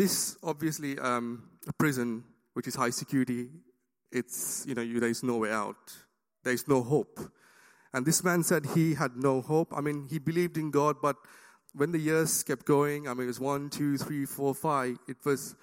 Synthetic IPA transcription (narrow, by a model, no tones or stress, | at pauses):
d̪ɪsɔbviəsliʌ̃məpʰɹɪzə̃n | wɪt͡ʃɪshaɪsɪkjuɹɪti | ɪtsjunod̪ɛɹɪznowea̰ʊt̚ | d̪ɛɹɪznoɦop | ɛ̃nd̪ɪsmæ̃nsɛd̚hiɦæd̚nohopa̰ɪmĩnhibilivdɪ̃nɡɔd̚bat̚ | wɛ̃nd̪əjiz̥kɛp̚ɡ̥oɪ̃ŋaɪmĩnɪtwɔswãntʰuθʰɹifɔfaɪvɪt̚wɔz